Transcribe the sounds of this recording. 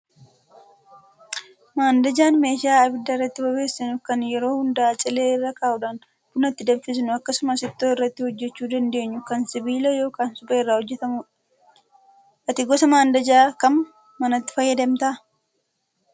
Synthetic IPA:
maːnd̪ɐd͡ʒaːnme̞ːʃɪaːɐbɪd̪ːɐɪrːɐt̪ːɪbɐbe̞ːsːɪnʊkɐnjɛɾo̞ːhʊnd̪ɐʔat͡ʃʼɪleːɪrːɐkaːʔʊᶑaːn | bʊnɐt̪ːɪd̪ɐbfɪs̬ɪnʊɐkːɐsʊmɐsɪt̪ːoːɪrːɐt̪ːɪhɔd͡ʒːɛt͡ʃːuːd̪ɐnd̪e̞ːɲːʊkɐnsɪbiːlɐjo̞ːkaːnsʊbɐɪrːaːhɔd͡ʒːɛt̪ɐmʊ | ʔɐt̪ɪɡɔsɐmaːnd̪ɐd͡ʒaːkɐm | mɐnɐt̪ːɪ̥fɐjːɐd̪ɐmt̪ɐ

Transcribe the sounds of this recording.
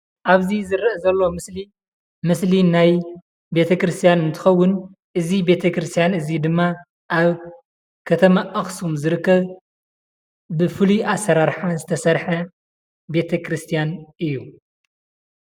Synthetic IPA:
ʔaβzizɨɾɐʔzɐlːo̞mɨsli | mɨslinaj | be̞t̪ʰɐkɾɨst̪ʰijanɨnt̪ʰɨ̥xɐwːʊn | ʔɨzibe̞t̪ʰɐkɾɨst̪ʰijanɨzid̪ɨmːa | ʔaβ | kʰɐt̪ʰɐmaʔːxsumzɨɾɨkːɐβ | bɨfɨliʔasːɐɾaɾħazɨt̪ʰɐsɐɾħɐ | be̞t̪ʰɐkɾɨst̪ʰijanʔɨjːu

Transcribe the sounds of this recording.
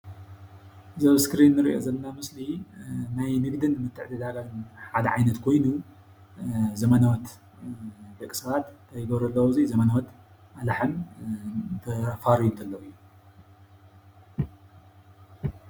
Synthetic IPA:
zɐβskɾinːɨɾḭʔo̞̰zɐlɐnamɨslinajnɨɡd̪ɨnːɨmɨt̪ʰːɨʕt̪ʰɐd̪aɡajɨnħad̪ɐʕajnɐt̪kʰo̞jnu | zɐmɐnawɐt̪ | d̪ɐkʼsɐβat̪ʰɐjɡɐβɾɐlːɐwuzizɐmɐnawɐt̪ | alaħɨm | t̪ʰɐfaɾjunt̪ʰɐlːɐwɨjːu

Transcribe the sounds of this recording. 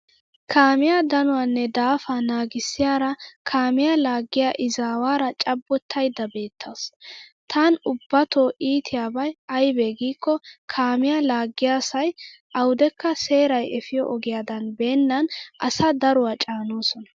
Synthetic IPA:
kʰaːmɪjad̪ɐnʊwaːnːɛd̪aːfanaːɡɪsːɪjaːɾɐkʰaːmɪjalaːɡːɪjaʔɪzaːwaːɾɐt͡ʃʼɐbːɔt̪ʰːɐjd̪ɐbe̞ːt̪ʰːaːst̪ʰanʊbːɐt̪oːʔiːt̪ʰɪjaːbɐjɐjbeɡiːkːɔkʰaːmɪjalaːɡːɪjaːsɐj | ʔɐwd̪ɛkːɐse̞ːɾɐjɛfɪjɔ̰ʔɔɡɪjaːd̪ɐnbe̞ːnːɐnʔɐ̰sɐd̪ɐɾʊwat͡ʃʼaːnoːsɔnɐ

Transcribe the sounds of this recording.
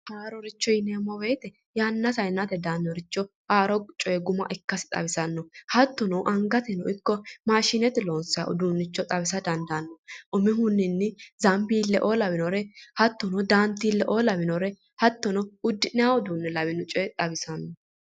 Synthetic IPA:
haːɾɔɾɪt͡ʃːɔjɪneːmːɔbeːt̪ɛ | jaːnːɐsɐjnːɐt̪ɛd̪aːnːɔɾɪt͡ʃːɔ | ʔaːɾɔt͡ʃʼɔɛɡʊmɐ̰ʔɪkːɐsɪ̥t̪ʼɐ̰bɪsɐnːɔhɐt̪ːɔnɔwʔɐŋɡɐt̪ɛnɔʔɪkːɔmaːʃɪnɛt̪ɪlo̞ːnsɪaʔʊ̰d̪uːnːɪt͡ʃːɔt̪ʼɐβɪsɐd̪ɐnd̪ɐnːɔʔʊmɪɦʊnːɪnːɪzɐmbiːlːɛʔoːlɐbɪnɔɾɛhɐt̪ːɔnɔd̪aːnt̪ːiːlːɛʔoːlɐbɪnɔɾɛ | hɐt̪ːɔnɔʊd̪ːɪnɪjawɔd̪uːnːɛlɐβɪnɔt͡ʃʼɔɛt̪ʼɐbɪsɐnːɔ

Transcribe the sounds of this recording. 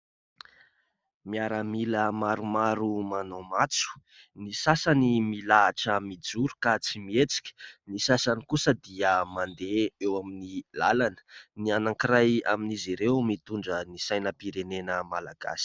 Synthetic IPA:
miaɾəmiləmaɾumaɾumanomat͡su̥ | nisasanimilaːʈ͡ʂəmid͡zuɾukat͡simiet͡si̥kʲə̥nisasanikusəd̪iəmand̪eewaminila̰lanə̥nianãŋkiraja̰miniziɾewmit̪uɳɖ͡ʐənisajnəpiɾenenəmalaɡ̥a̰si̥

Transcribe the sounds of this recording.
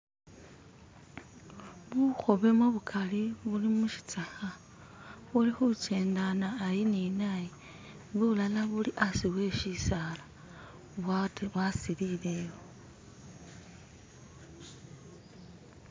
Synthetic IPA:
βuxo̞βe̞muβukʰaliβulimuʃi̥t͡saxa | βulixut͡ʃe̞ːndanaːjininaji | βulalaβuliʔasiwe̞ʃisaːla | βaβwasilile̞wo

